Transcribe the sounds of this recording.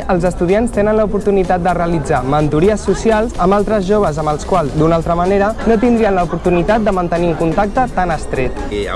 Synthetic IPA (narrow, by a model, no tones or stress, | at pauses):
əlˠzəst̪uð̞ianst̪enənləupuɾt̪unit̪at̪̚d̪əreəlid͡zamənt̪uɾiəsːusialˠzəmbalˠt̪ɾəzʒoβəzəmbəlˠskwalˠzd̪unalˠt̪ɾəməneɾənot̪ind̪ɾiənləupuɾt̪unit̪at̪̚d̪əmənt̪əniuŋkunt̪ak̚t̪ət̪anəst̪ɾet̪